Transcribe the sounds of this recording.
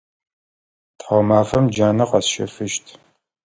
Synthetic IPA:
tħamaːfɐmd͡ʒaːnɐqɐsʃɐ̰fɨʃtʰ

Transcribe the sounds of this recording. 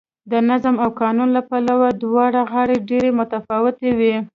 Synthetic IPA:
d̪ənazamawkɑnunlapalawad̪wɑɽaɣɑɽeɖeɾemʊt̪afɑwɪt̪ewi

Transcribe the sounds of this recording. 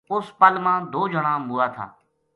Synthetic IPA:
ʊspəlmãːd̪oːd͡ʒəɽãːbʊːaːt̪ʰa̰ː

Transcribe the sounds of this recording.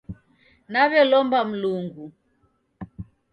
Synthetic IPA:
naβɛlɔmbam̩luŋɡu

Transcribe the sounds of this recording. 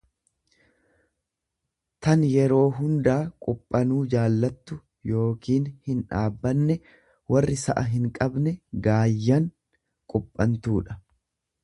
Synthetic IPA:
t̪ɐnjɛɾo̞ːɦʊnd̪aːkʼʊpʼːɐnuːd͡ʒaːlːɐt̪ːʊ | jo̞ːkiːnhɪnᶑaːbːɐnːɛ | wɐrːɪsɐ̰ʔɐɦɪŋkʼɐbnɛɡaːjːɐŋ | kʼʊpʼːɐnt̪uːᶑɐ

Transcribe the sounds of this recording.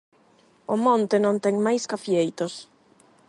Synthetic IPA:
omõnt̪ɪnõnt̪ɛŋmajskafjejt̪os

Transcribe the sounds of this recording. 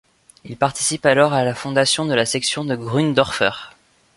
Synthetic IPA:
ilpaʁt̪i̥sipalɔʁalafɔ̃d̪asjɔ̃d̪əlasɛksjɔ̃d̪əɡʁynd̪ɔʁfœ̰ːʁ

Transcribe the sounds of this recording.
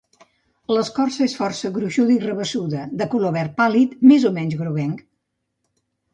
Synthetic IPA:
ləskɔrsəesfɔrsəɣɾuʃuðəirəβəsuðəd̪əkuloβɛɾ̚palit̪mezomɛnʲzɣɾuβɛŋk

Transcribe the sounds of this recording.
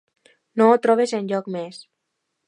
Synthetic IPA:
noot̪ɾɔβ̞ezenʎɔkmes

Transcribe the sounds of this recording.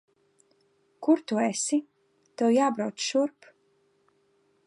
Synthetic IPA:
kuɾt̪uɛsi | t̪ɛwjaːbɾawt̪sʃuɾp

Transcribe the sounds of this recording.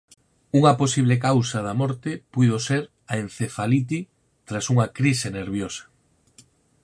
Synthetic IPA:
uŋɐposiβ̞lekawsɐðɐmɔɾt̪ɪpujðoseɾ | aen̟θefalit̪̬i | t̪ɾasuŋɐkɾiseneɾβ̞josɐ̥

